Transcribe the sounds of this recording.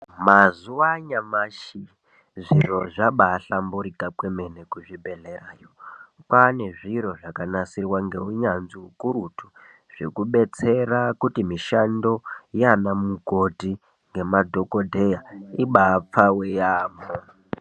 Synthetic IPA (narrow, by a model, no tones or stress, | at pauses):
mazuwaɲamaʃi | ʐiro̞ʐaɓaːɬambuɾikakwe̞me̞ne̞kuʐibʱe̞ɮe̞raːjopane̞ʐiɾo̞ʐakanasirwaŋɡe̞uɲanziukuɾutu | ʐ̥ḛkuɓe̞t͡se̞rakutimiʃando̞janamukoti | ŋɡe̞madʱo̞ko̞dʱe̞jaiɓap͡fawejaːmo